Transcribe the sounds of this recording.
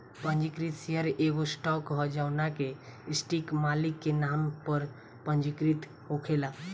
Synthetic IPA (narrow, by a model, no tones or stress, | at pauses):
pənd͡ʒikɾit̪seəɾeɡosʈɔkɦɔd͡ʒaʊnakeisʈikmalikːenampəɾ | pənd͡ʒikɾit̪ | ɦokʰela